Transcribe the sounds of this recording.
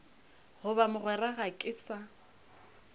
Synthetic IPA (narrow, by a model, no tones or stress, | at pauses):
hʊbamʊɣwɛraɣakʼɪsa